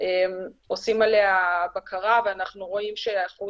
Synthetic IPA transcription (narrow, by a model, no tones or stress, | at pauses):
ʔemo̞simaleabakʰaʁaveanaχnuʁo̞imʃeaχu